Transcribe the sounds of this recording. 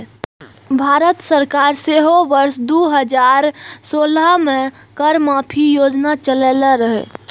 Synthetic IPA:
bʱaːɾət̪səɾkaɾseɦobəɾsd̪uːɦəd͡ʒaːɾsoːləmẽ | kəɾmapʰijoːd͡ʒnat͡ʃəlelaɾəɦḛ

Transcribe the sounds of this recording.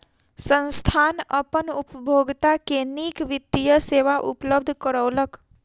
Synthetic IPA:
sə̃nst̪ʰanəpənupəbʱoɡt̪akenikʋit̪ːijəseʋaʔṵpləb̚d̪ʱkəɾəːlək

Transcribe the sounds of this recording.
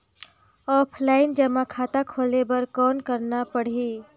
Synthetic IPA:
ɔpʰlaɪnd͡ʒəmakʰat̪akʰolebəɾkɔnkəɾnapəɽ̤i

